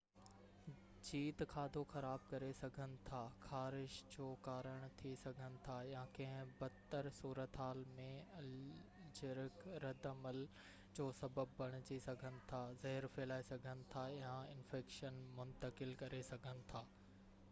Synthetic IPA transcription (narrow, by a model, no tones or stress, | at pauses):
d͡ʑiːt̪kʰaːd̪ʱoxɐɾaːb̚kɐɾesɐɡʱənɪ̆t̪ʰaːxʰaːɾɪʃd͡ʑoːkaːɾəɽ̃t̪ʰisɐɡʱənɪ̆t̪ʰajãkɐ̃ɦɪ̃bɐt̪ːəɾsuːɾət̪ɦaːlmẽɐld͡ʑɪɾɪkɾɐd̪ʱəməl | d͡ʑoːsɐbəbːɐɽ̃ɪt͡ɕisɐɡʱənɪ̆t̪ʰaːzɐɦɪɾfɛːlaːesɐɡʱənɪ̆t̪ʰajãɪnfeːkʃənmʊ̃nt̪əkɪlkɐɾesɐɡʱənɪ̆t̪ʰaː